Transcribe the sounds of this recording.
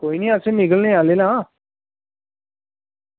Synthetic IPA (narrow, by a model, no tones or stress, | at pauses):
koːiːniːəsẽnɪɡəlneːaːleːlãː